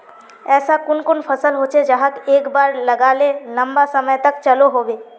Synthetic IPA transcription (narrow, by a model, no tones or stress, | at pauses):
ɛːsakʊnkʊnpʰəsəlɦoːt͡ʃʰed͡ʒaɦakeːkbaːɾləɡaːlelə̃mbasəməjt̪əkt͡ʃəloɦoːbeː